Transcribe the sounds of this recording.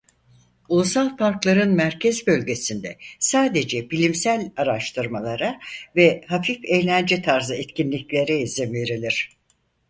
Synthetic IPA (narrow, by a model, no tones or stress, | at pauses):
ulˠusalˠpaɾklˠaɾɯnmæɾcʰɛzbø̞lʲɟe̞sind̪ɛsaːd̪e̞d͡ʒɛbilʲimsælʲaɾaʃt̪ʰɯɾmalˠaɾavɛhafife̞jlʲænd͡ʒɛt̪ʰaɾzɯɛt̪cinlʲiclʲe̞ɾɛizimve̞ɾilʲiɾ̝̥